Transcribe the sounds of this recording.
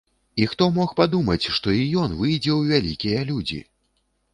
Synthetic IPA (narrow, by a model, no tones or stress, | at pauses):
ixt̪ɔmɔxpad̪umɐt͡sʲʂt̪ɔijɔnvɨjd͡zʲɛwvʲalʲikʲijɐlʲud͡zʲḭ